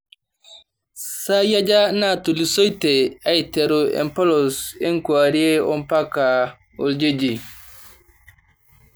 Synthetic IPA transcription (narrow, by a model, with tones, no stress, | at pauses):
saja˦d͡ʒa˦na˦tu˨li˨sɔ˦jtɛa˨jtɛɾuɛ̰˨mpɔ˦lɔsɛ˦ŋkwa˨ɾi˦ɛ˦ɔ˦mpa˦ka | o̰˨ld͡ʒe˦d͡ʒi